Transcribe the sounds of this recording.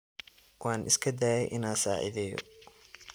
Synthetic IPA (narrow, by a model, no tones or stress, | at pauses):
wɑːnʔɪskʰɐd̪aːjɛjʔɪnaːsa̰ːʕɪ̰ðɛːjɔ̰